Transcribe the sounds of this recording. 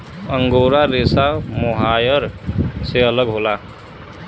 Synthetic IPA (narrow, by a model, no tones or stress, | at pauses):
əŋɡoɾaɾesamoɦajəɾseələɡɦoːla